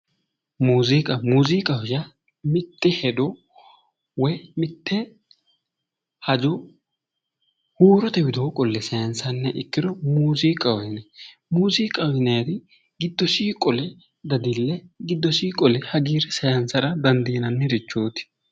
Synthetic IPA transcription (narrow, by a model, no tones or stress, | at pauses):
muːzɪkʼɐmuːziːkʼɐhʊʃɐ | mɪt̪ːɛhɛd̪ɔ | wɛjmɪt̪ʰːɛ | hɐd͡ʒɔ | huːɾɔt̪ɛbɪd̪oːkʼɔlːɛsɐjɐnsɐnːɛʔɪkːɪd̪ɔmuːziːkʼɐwnɛ | muːziːkʼɐwɪnɛjt̪ɪ | ɡɪd̪ːɔsiːkʼːɔlɛ | d̪ɐd̪ɪlːɛɡɪd̪ːɔsiːkʼɔlɛhɐɡiːɾɛsɐjɐnsɐɾɐd̪ɐnd̪iːnɐnːɛɾɪt͡ʃːoːt̪ɪ̥